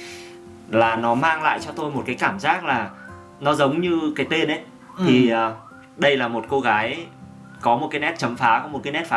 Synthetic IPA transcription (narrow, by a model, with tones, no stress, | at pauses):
laː˨˩nɔ˨˦maː˧ŋla̰ː˧˨jt͡ɕɔ˧t̪o˧jmo˨˩t̚kaː˨˦jkaː˧˩mzaː˦˥k̚laː˨˩ | nɔ˨˦zə˨˦wŋ͡mɲɨ˧kaː˨˦jt̪e˧nʔə˨˦j | t̪ʰi˨˩əː˨˩ | ɗə˧jlaː˨˩mo˨˩t̚ko˧ɣaː˨˦j | kɔ˨˦mo˨˩t̚kaː˨˦jnɛ˦˥t̚t͡ɕə˨˦mfaː˨˦kɔ˨˦m˨˩t̚kaː˨˦jnɛ˦˥t̚faː˨˦